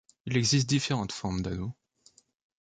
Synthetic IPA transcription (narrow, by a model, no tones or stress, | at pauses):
ilɛɡzist̪̚d̪ifeʁɑ̃t̪fɔʁmd̪ano